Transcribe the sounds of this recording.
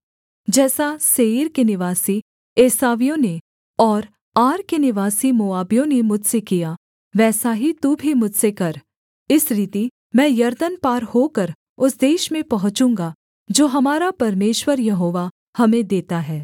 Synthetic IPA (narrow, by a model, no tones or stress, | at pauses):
d͡ʒɛːsaseiːɾkenɪʋaːsi | eːsaːʋijõne | ɔːɾ | aːɾkenɪʋaːsimoːaːbijõnemʊd͡ʒʱsekija | ʋɛːsaɦit̪ubʱimʊd͡ʒsekɐɾ | ɪsɾiːt̪i | mɛ̃ːjɐɾd̪ənpaːɾhoːkɐɾ | ʊsd̪eːʃmẽpɐɦʊ̃t͡ʃũːŋɡa | d͡ʒoːɦɐmaːɾapɐɾmeːʃwəɾjɐɦoːʋa | hɐmẽd̪eːt̪aɦɛː